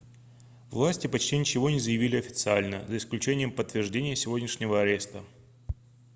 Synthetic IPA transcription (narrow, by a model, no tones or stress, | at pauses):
vlˠasʲtʲɪpɐt͡ɕtʲinʲɪt͡ɕɪvo̞nʲɪzəjɪvʲilʲɪɐfʲɪ̥t̪sɨalʲnə̰zəɪsklʲʉt͡ɕenʲɪjəmpət̪ːvʲɪrʐdʲenʲɪjəsʲɪvodʲnʲɪʂnʲɪvəɐɾʲe̞st̪ə